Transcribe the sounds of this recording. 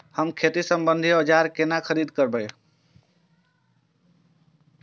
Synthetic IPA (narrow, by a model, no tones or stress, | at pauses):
həmkʰet̪isəmbənd̪ʱiɔd͡ʒaɾkenakʰəɾid̪kəɾbəj